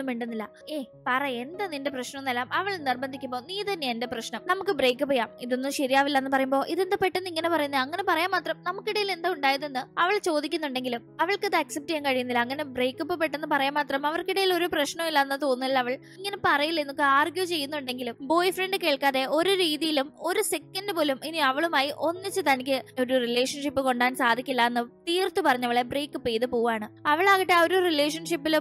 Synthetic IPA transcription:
nːumʋiːɳɖunːilːɐ | eː | pɐrɐend̪ɐnindeprɐɕnɐunːelːaːmɐʋɐɭnirbɐnd̪ʱikʲːumbo̞ːniːt̪ɐnːeendeprɐɕɳɐmnɐmukːɨbre̞jkːɨpoːjaːmiðo̞nːuɕɐɾijaːʋilːɐenːɨpɐrɐjumbo̞ːʔiðend̪ɐpeʈːenːiŋːɐnepɐrɐjunːɐŋːɐne̞pɐrɐjaːnmaːt̪rɐmnɐmukːiɽɐjile̞nd̪auɳɖaːjɐðenːɨɐʋɐɭt͡ɕo̞ːd̪ikʲːunːuɳɖe̞ŋɡilumɐʋɐɭkɐðɨɐksep̚tɐjɐmkɐɻijunːilːɐːŋːɐne̞bre̞ːkːupːopːe̞ʈːe̞nːɨpɐrɐjaːnmaːt̪rɐmɐʋɐrkiɽɐjilo̞ɾuprɐɕɳɐmilːɐenːɨt̪oːnːilːɐɐʋɐɭ | iŋːɐnepɐrɐjilːenːokːɨaːrɡjut͡ɕe̞jːunːuɳɖe̞ŋɡilumbo̞ːjfreɳɖɨke̞ːɭkaːðe̞ʔo̞ɾuɾiːðijilumo̞ɾuse̞kːɐnɖɨpo̞ːluminiɐʋɐɭumaːjiʔo̞nːit͡ɕːɨt̪ɐnikʲːɨo̞ɾurile̞ːʂɐnʂipːɨko̞ɳɖaːnsaːd̪ʱikʲːilːaenːɨt̪iːrt̪ːupɐrɐɲːɐʋɐɭebre̞ːkːupːejðɨpoːʋaːɳɨɐʋɐɭaːɣiʈːeoɾurile̞ːʂɐnʂipːil

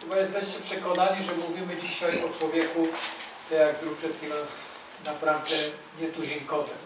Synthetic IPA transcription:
bɔjɛst̪ɛɕt͡ɕɛpʂɛkɔnaɲiʐɛmuvʲimɘt͡ɕiɕɔiʔɔt͡ʂwɔvʲjɛkut̪ɛjakjuʂpʂɛt̪fʲilɔ̃ | napɾavd̪ɛ | ɲɛt̪uʑiŋkɔt̪ɛ

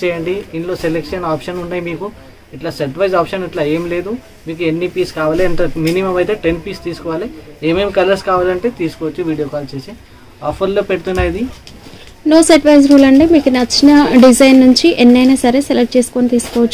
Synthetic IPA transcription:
t͡ʃɛːjɐɳɖiiɳʈloːselekʂɐnaːpʂɐnuɳːaːjimiːku | iʈlaːseʈʋʰɐjsaːpʂɐniʈlaːe̞ːmle̞ːd̪u | miːkue̞nːipiːskaːʋaːliɐɳʈeminimɐmɐjt̪eːʈenpiːst̪iːsu̥kɔʋaːlieːmeːmkɐlɐɾskaːʋaːlɐɳʈeːt̪iːsu̥kɔːʋɐt͡ʃːuʋiːɽijoːkaːlt͡ʃeːsi | aːpʰɐɾloːpeɽut̪unːaːjɐd̪i | noːsɐɾʈʋʰɐjs̬ɾuːlɐɳɖeːmiːkunɐt͡ʃːinɐɖid͡ʒɐjnːuɲt͡ʃiʔenːɐjnaːsɐɾeselekʈ̚t͡ʃe̞ːsu̥koːnit̪iːsu̥kɔːʋɐt͡ʃː

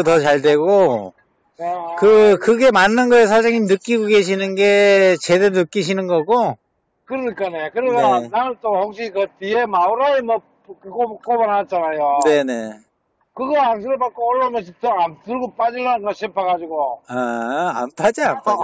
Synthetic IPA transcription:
otʌt͡ɕaɭdwe̞ɡo | kɯkɯɡe̞manːɯnɡʌes̬ʰad͡ʑaŋimnɯk͈iɡoɡe̞ɕ̬ʰinɯnɡe̞t͡ɕe̞deɾonɯk͈iɕ̬ʰinɯnɡʌɡo | kɯɾɯɲik͈anekɯɾisonanɯnt͈ohoŋɕ͈iikɯtiemauɾaemʌ | kkok͈obanɦat͡ɕ͈anajone̞ne̞ | kɯɡʌans̬ʰɯɾɯpak͈oːɭːamjʌɕ̬ʰitoamtɯɭɡop͈ad͡ʑilːanɯnɡʌɕʰimpʰaɣad͡ʑiɡoaa̰ntʰad͡ʑianpʰa

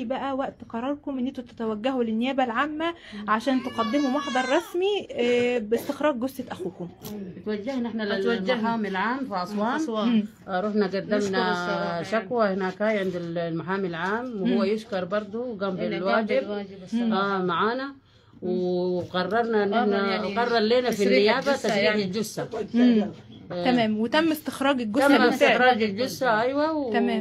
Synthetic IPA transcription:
ibæʔæwæʔt̪qɑɾˤɑɾˤkomʔɪnːɪnt̪ut̪e̥t̪æwæɡːæɦulɪnːɪjæːbælʕaːmːæʕaʃæːnt̪eqɑd̪ːɪmumɑħd̪ˤɑɾˤːɑsmi | bɪst̪ɪxɾˤɑːɡɡosʔɪʔæxuːkombɪt̪waɡːahnɪħnaaːmɪlʕaːmfiʕɑsˤwɑːn | ʔɑɾˤuːħnaɡad̪ːamnaaʃakwahɪnaːkhaːjʕɪnd̪llmaħaːmilʕaːmwhʊwːajʊʃkɑɾˤbɑɾˤd̪ˤuɡambɪlwaːd͡ʒɪbʔaːmaʕaːna | wɪqɑrˤːɑɾˤnaʔɪnːɪħnaqɑrˤːɑɾˤleːnafinːɪjaːbat̪aʃɾiːʕɪld͡ʒʊsːa | t̪æmɛːmwɪt̪æmːest̪ɪ̥xɾˤɑːɡɪlɡʊamɪst̪ɪxɾˤɑːɡɪld͡ʒʊsːaʔajwawt̪æmɛːm

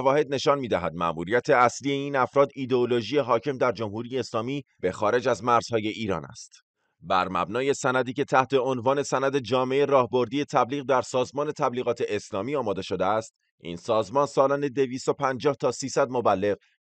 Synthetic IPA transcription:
ævɒːhe̞d̪̚ne̞ʃɒnmiːd̪æɦæd̪̚mæ̰ʔmuːɾijæt̪ʰe̞æsliːje̞iːnæfɾɒːd̪iːd̪eoloʒije̞ɦɒːcʰe̞md̪æɾd͡ʒo̞mhuɾijeːslɒːmiːb̥e̞xɒːɾe̞d͡ʒæzmæɾz̥hɒːje̞ʔiːɾɒ̰ːnæ̰st̪ | bæɾmæ̰bnɒːje̞sænæd̪iːcʰe̞t̪ʰæht̪ʰe̞onvɒːne̞sænæd̪e̞d͡ʒɒːme̞erɒːhbo̞ɾd̪iːje̞t̪ʰæbliːɣd̪æɾsɒːzmɒːne̞t̪ʰæbliːɣɒːt̪ʰe̞ʔeslɒːmiːɒːmɒːd̪e̞ʃo̞d̪eæst̪ | ʔḭːnsɒːzmɒːnsɒːlɒːne̞d̪e̞viːst̪o̞pʰænd͡ʒɒːht̪ʰɒːsiːsæd̪mobælːe̞ɣ

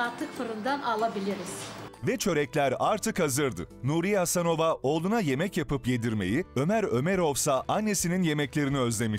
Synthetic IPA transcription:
aɾt̪ʰːɯkfɯɾɯnd̪analˠabilʲiɾiz̥vɛt͡ʃʰø̞ɾɛclʲæɾaɾt̪ʰɯkhazɯɾd̪ɯ̰nuɾijahasano̞vao̞ːlˠunaje̞mɛcjapɯpje̞d̪iɾme̞̰jiø̞mæɾø̞meɾo̞vsaʔanːe̞sininje̞mɛclʲe̞ɾiniø̞zlʲe̞miʃ

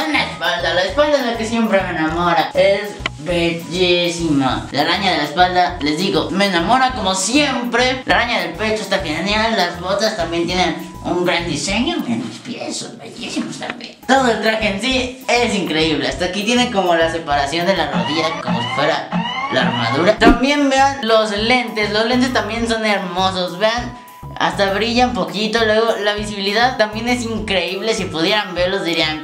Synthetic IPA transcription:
alaespald̪alaespald̪aezlakesje̞mpɾemenamo̞ɾaes | βeʝisima̰lalaɲaðelaespald̪ale̞zðiɣomeːnamo̞ɾako̞mosjempɾelalaɲaðe̞lpe̞t͡ʃoest̪axenjalːazβo̞t̪ast̪ambjent̪jenen | uŋɡɾand̪ise̞ɲomenospjḛso̰zβḛʝisimost̪a̰mbjḛnt̪o̞ðo̞elt̪ɾaxeensiesiŋkɾe̞iβlea̰st̪akit̪jeneko̞mo̞lase̞paɾasjo̞nd̪e̞laroðiʝako̞mo̞si̥fwe̞ɾala̰ːɾma̰ðuɾat̪ambje̞nbe̞anlo̞zle̞nt̪e̞slozlent̪̬e̞s̬t̪ambje̞nso̞ne̞ɾmo̞so̞sβe̞an | a̰st̪aβɾiʝaumpo̞kit̪o̞lwe̞ɣ̞o̞laβ̞isiβiliðaðt̪ambje̞ne̞siŋkɾe̞iβ̞le̞sipuðje̞ɾambe̞ɾlozðiɾian

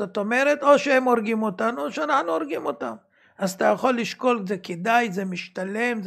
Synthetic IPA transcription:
ot̪o̞me̞ɾet̪o̞ʃeemoɾɡimo̞t̪anuoʃeanaħnuoʁɡimo̞t̪am | azat̪ajaχo̞lːiʃko̞lzeked̪ajzemiʃtale̞mz

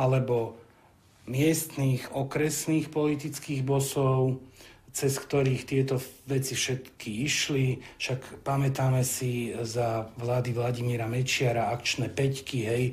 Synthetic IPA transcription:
ʔalɛbɔ | mɪɛst̪niːxɔkɾɛsniːxpɔlit̪it͡skiːɣbɔsɔʊt͡sɛskt̪ɔɾiːxt̪ɪɛt̪ɔʋɛt͡sifʃɛt̪kʰiiʃlifʃakpamɛt̪aːmɛsizaʋlaːd̪iʋlaɟimiɾamɛt͡ʃɪaɾaakt͡ʃnɛːpɛckiɦɛj

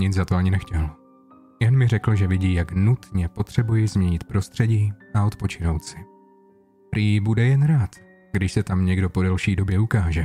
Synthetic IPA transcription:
ɲɪt͡sd͡zzat̪oaɲɪnɛxcɛl | jɛnmɪrɛkl̩ʒɛvɪɟiːjaknut̪ɲɛpo̞t̪r̝̥ɛbujɪzmɲɛɲɪt̪pɾo̞st̪r̝̥ɛɟiːʔaot̪po̞t͡ʃɪno̞wt̪sɪ̥ | ɾiːjɪbudɛjɛnɾaːt̪ | ɡdɪʃsɛt̪amɲɛɡdo̞po̞dalʃiːdo̞bjɛukaːʒɛ

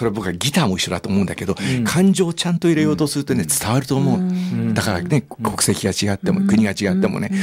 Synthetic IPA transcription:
o̞ɾe̞abo̞kɯaɡʲit̪aːmo̞iɕːo̞d̪at̪oːmo̞ɯ̟nd̪ḁ̰ke̞d̪o̞kʰãɲ̟d͡ʑo̞ːt͡ɕãnt̪oiɾejo̞ːt̪osɨɾɯ̟t̪o̞ne̞t͡sɨ̥t̪aβaɾɯ̟t̪o̞ːmo̞ɯd̪akaɾa̰ne̞kʰo̞kɯ̥sekʲiɡat͡ɕiɡat̪ːe̞mokɯ̟ɲ̟iɡat͡ɕiɡat̪ːe̞mo̰ne

